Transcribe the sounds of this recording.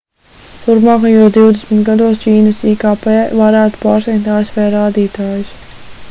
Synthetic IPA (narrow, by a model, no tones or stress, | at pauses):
t̪uɾpmaːkajuɔsd̪iwd̪esmʲit̪ɡad̪uɔsciːnɐsiːkaːpevaɾæːt̪u̥paːɾsnʲɛkt̪aːesvɛːɾaːd̪iːt̪aːjus